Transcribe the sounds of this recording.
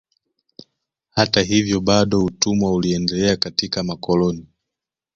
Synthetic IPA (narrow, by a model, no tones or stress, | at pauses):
hataɦivjɔɓaɗɔutumwauliɛndɛlɛakatikamakɔlɔni